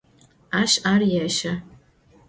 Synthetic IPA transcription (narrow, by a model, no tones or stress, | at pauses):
aːʃaːrjaʃɐ